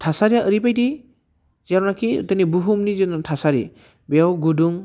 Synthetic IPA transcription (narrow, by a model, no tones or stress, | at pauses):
tʰasaɾijaʔəɾipajdi | zaɾnakḭt̪ɯnibuɦumnizɯnɔntʰasaɾḭ | bewɡuduŋ